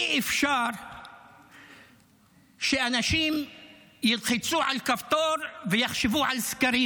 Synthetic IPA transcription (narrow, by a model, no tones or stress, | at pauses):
ʔefʃaɾ | ʃeʔanaʃim | jilχit͡suʕalkaft̪oɾvejaχʃevuʕalskaɾi